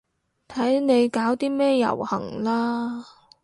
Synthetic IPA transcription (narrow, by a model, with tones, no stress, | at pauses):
t̪ʰɐ˨˥jne˨˧jkaː˨˥wt̪iː˥mɛː˥jɐ̰˨˩whɐ̰˨˩ŋlaː˥